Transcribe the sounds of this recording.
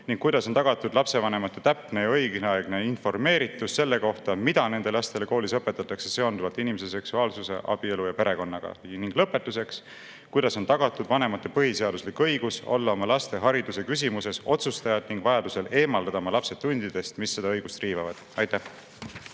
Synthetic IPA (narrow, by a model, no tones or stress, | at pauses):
niŋkkːujd̪ɑso̞nt̪ɑɡ̥ɑt̪ːud̪̥lɑpse̞vɑne̞mɑt̪ːˑet̪æpne̞jɑɤ̞jɡneɑeɡne̞info̞rme̞ːɾit̪ːˑusse̞lːe̞ko̞ht̪ɑmid̪̥ɑne̞nd̪̥e̞lɑst̪e̞le̞koːlisɤpːˑe̞t̪ːˑɑt̪ːˑɑkse̞se̞o̞nd̪uvɑlt̪inimes̬e̞s̬e̞ksuɑːlsuse̞̰ʔɑ̰b̥ie̞lujɑpe̞ɾe̞ko̞nːɑɡ̥ɑ̰niŋɡ̥lɤpːˑe̞t̪ːˑuse̞ks | kujd̪ɑso̞nt̪ɑɡ̥ɑt̪ːˑud̪̥vɑne̞mɑt̪ːe̞pɤɦise̞ɑd̪̥uslikɤ̞jɡ̥uso̞̰lːɑo̞mɑlɑst̪e̞ɦɑɾid̪̥use̞kys̬ʲimuse̞so̞t̪sust̪ɑjɑd̪̥niŋɡ̥vɑjɑd̪use̞le̞ːmɑld̪ɑd̪ɑmɑlɑpse̞t̪ːunʲd̪̥id̪̥e̞st̪misːe̞d̪ɑɤ̞jɡ̥ust̪riːvɑvɑd̪̥ɑjt̪ːæh